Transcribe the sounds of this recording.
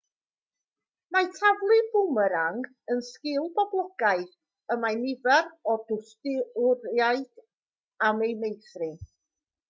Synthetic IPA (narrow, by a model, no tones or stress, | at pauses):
najtʰavlˠɨbʊməɾaŋ | ənskɪlˠbɔblˠɔɡ̥aɨθ | əmajnɪvɛɾɔdʊstɪʊɾjaɨd̥ | amejmejθrɨ